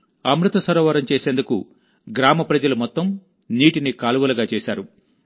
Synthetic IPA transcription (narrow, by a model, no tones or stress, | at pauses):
ɐmɾut̪ɐsɐɾɔːʋɐɾɐmt͡ʃeːseːnd̪ukṵ | ɡɾaːmɐpɾɐd͡ʒɐlumɔt̪ːɐm | niːʈinikaːluʋɐlɐɡaːt͡ʃeːʃaːɾu